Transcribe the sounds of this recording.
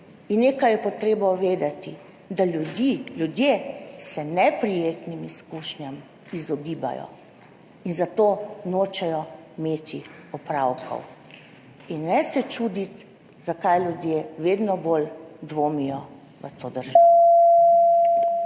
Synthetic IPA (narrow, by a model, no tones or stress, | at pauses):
inneːkajɛpɔt̪ɾeːbɔʋeːd̪at̪i | d̪aljud̪iljud̪jekisɛnɛpɾijeːt̪nimiskuʃnjam | izɔɡiːba̰jɔ̰ | inzat̪oːnoːt͡ʃɛjɔimeːt̪ʰiɔpɾawkʰɔ̰w | inːɛsɛt͡ʃuːd̪it̪ | z̥akajlʲjud̪jeːʋeːd̪nɔbold̪ʋoːmijɔ | ʋə̰t̪ʰoːd̪əɾʒaɔ